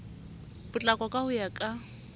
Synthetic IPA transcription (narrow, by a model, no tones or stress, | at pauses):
bʊt͡ɬʼakʼɔkʼaʊjakʼa